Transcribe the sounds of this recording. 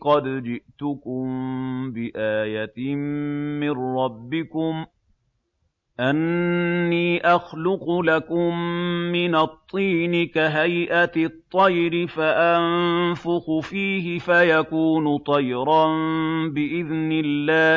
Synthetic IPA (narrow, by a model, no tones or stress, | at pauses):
qɑd̪d͡ʒɪʔt̪ʊkʊmbɪʔaːjat̪ɪmmɪrɾˤɑbːɪkʊm | ʔanː | iːʔɑxlʊqʊlakʊmːɪnat̪ˤːiːnɪkaɦajʔat̪ˤːɑjɾɪfaʔannfʊxʊfiːhɪfajakuːnʊt̪ˤɑjɾɑnbɪʔɪðnɪlːaː